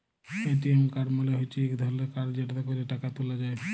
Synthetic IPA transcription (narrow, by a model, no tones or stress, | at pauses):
eʈiemkaɾmoleɦojt͡ɕʰiekd̪ʱɔɾlekaɾd͡ʑeʈt̪akoɾeʈakat̪ulad͡ʑae